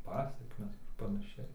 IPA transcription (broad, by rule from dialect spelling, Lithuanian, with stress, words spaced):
ˈpɑːsʲɛkmʲɛs ɐr pɐnɐˈʃʲɛɪ